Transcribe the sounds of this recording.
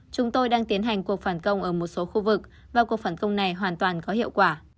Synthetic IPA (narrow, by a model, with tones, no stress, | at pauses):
t͡ɕʊ˨˦ŋ͡mt̪o˧jɗaː˧ŋt̪i˨˦ənɦa˨˩jŋ̟ku˨˩ək̚faː˧˩nkə˧wŋ͡mʔəː˧˩mo˨˩t̚so˨˦xu˧vɨ˨˩k̚ | vaː˨˩ku˨˩ək̚faː˧˩nkə˧wŋ͡mna˨˩jɦwaː˨˩nt̪waː˨˩nkɔ˨˦ɦḭ˧˨əwkwaː˧˩